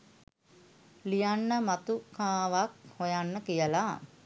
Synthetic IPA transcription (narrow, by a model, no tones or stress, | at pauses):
lijanːəmat̪ukaːʋak̚hojanːəkijəla